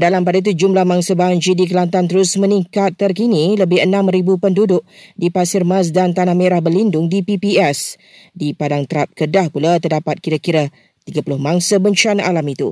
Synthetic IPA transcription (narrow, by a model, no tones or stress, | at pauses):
dalampadait̪ud͡ʒumlahmãŋsəbaŋd͡ʒidik̬əlant̪ant̪əɾʊsməniŋkat̪ːərkiniləbɪɦənãmɾibupəndudʊʔ̚dipasɪrmas̬dant̪anahmeɾahbəlindʊŋdipipiɛs | dipadaŋt̪əɾap̚kədahpulat̪ərdapat̪̚kiɾakiɾa | t̪iɡəpulʊhmãŋsəbəɲt͡ʃanaʔalamit̪ṵ